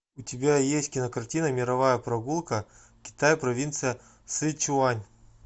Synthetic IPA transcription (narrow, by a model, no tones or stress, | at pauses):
ʊtʲɪbʲajesʲtʲkʲɪnɐkɐrtʲinɐmʲɪɾɐvajəpɾɐɡulˠkə | kʲɪ̥t̪ajpɾɐvʲint̪sɨjə | sɨt͡ʃʊanʲ